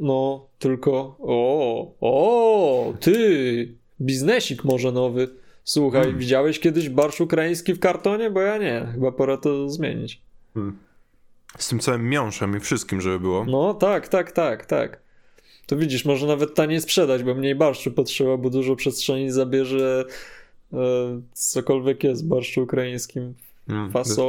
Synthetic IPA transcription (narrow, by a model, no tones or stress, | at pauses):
nɔt̪ɘlkɔɔɔ | t̪ɘ | bʲiznɛɕikmɔʐɛnɔvɘswuxajvʲid͡ʑawɛɕkʲjɛd̪ɘʑbaɾʂukɾaĩj̃skʲifkaɾt̪ɔɲɛbɔjaɲɛxɘbapɔɾat̪ɔzmʲjḛɲḭt͡ɕ | st̪ɘmt̪sawɘmːʲjɔ̃w̃ʂɛmifʂɨst̪kʲimʐɛbɘbɘwɔnɔt̪akt̪akt̪akt̪a̰k | t̪ɔvʲid͡ʑiʂmɔʐɛnavɛt̪ːaɲɛspʂɛd̪ad͡ʑbɔmɲejbaɾʂt͡ʂupɔtʂɛbabɔd̪uʐɔpʂɛstʂɛɲizabʲjɛʐɛ | sɔkɔlvʲjɛkjɛst̪vbaɾʂuukɾajĩj̃skʲim | fasɔ